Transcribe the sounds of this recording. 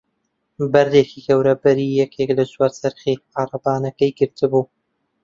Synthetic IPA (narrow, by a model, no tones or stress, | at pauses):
bɐɾd̪eːkikɐwɾɐbɐɾiːjɛkʰeklɐt͡ʃwaːɾsɐɾχiqɑːrˤɑbaːnɐkɐjɡɨɾt̪ɨbuː